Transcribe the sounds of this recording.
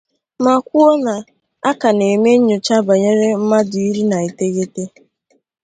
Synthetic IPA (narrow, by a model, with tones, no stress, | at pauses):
ma˨kʷu˦o˦na˨ | a˦ka˨ne˨me˦ɲʊ˨t͡ʃa˦ba˨ɲe˦ɾe˦m̩˦ma˦dʊ˨i˦ɾi˦na˨i˨te˦ɣe˦te˦